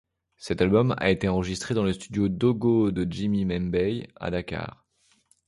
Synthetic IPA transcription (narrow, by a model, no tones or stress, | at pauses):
sɛt̪albɔma̰et̪eɑ̃ʁəʒist̪χed̪ɑ̃ləst̪yd̪jod̪oɡod̪əd͡ʒimimɛnbɛja̰d̪akʲa̰ːʁ